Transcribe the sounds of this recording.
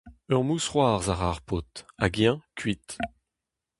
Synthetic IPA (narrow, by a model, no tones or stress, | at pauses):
œʁmusχwaːʁzaʁaʁpot̪aɡjɛ̃kʰɥit̪